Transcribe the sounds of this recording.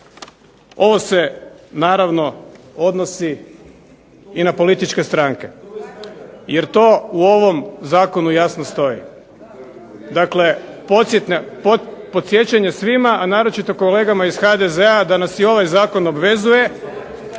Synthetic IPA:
o̞ʋo̞se̞naːɾaʋno̞ | o̞d̪nosi | inapo̞lit̪it͡ʃke̞st̪ɾaŋke̞̰ | je̞ɾt̪o̞uo̞ʋo̞mzaːko̞nujasnost̪o̞ḭ | d̪akle̞pot̪sjet̪nepopo̞t̪sʲje̞t͡ɕaɲe̞sʋimaʔanaːɾo̞t͡ʃit̪o̞kole̞ːɡamaiz̥xad̪ezead̪anasio̞ʋajzaːko̞no̞bʋe̞zuje̞

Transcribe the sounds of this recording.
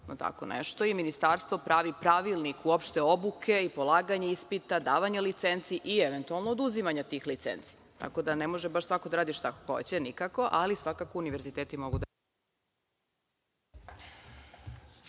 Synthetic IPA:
not̪a̰ko̞̰nḛʃt̪oiminist̪aɾst̪vo̞pɾaːʋipɾaʋilˠnikuopʃt̪eobukʰe̞ipolˠaːɡaɲeispit̪ad̪aːʋaɲelit̪sent̪siʔieʋent̪ualˠnoːd̪uzimaɲat̪ixlit̪sḛnt̪si̥ | t̪a̰ko̞d̪anemo̞ʒebaʃsʋako̞d̪aɾaːd̪iʃt̪akoxo̰t͡ɕenikako̞ʔalisʋakako̞uniʋeɾzit̪eːt̪imo̞ɡud̪a

